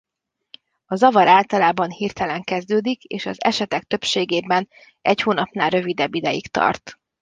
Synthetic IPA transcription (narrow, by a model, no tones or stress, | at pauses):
ɒzɒvɒɾaːlt̪ɒlaːbɒnhirt̪ɛlɛŋkɛzd̪øːd̪ikeːʃɒ̰zɛ̰ʃɛt̪ɛk̚t̪ø̞pʃeːɡeːbɛn | ʔɛchoːnɒpnaːlrø̞vid̪ɛbːid̪ɛjḭkt̪ɒ̰rt̪